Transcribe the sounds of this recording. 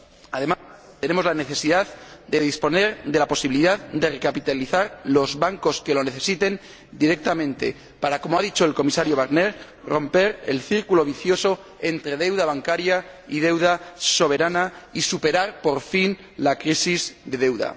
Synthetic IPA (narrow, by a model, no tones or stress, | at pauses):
aðe̞mast̪e̞nemo̞zlane̞θe̞siðaðd̪e̞ðispo̞ne̞ɾd̪e̞lapo̞siβiliðaðd̪e̞rekapit̪aliθaɾlo̞zβaŋko̞ske̞lo̞ne̞θe̞sit̪e̞n | d̪iɾe̞k̚t̪amẽnt̪e̞̰ | paɾako̞moaðit͡ʃo̞e̞lko̞misaɾjo̞β̞aɾne̞ɾ | ro̞mpe̞ɾḛlθiɾkulo̞βiθjo̞so̞ | e̞nt̪ɾe̞ð̞e̞wðaβ̞aŋkaɾjaið̞e̞wðaso̞β̞e̞ɾanaisupe̞ɾaɾpo̞ɾfin | lakɾisizd̪e̞ðe̞wða̰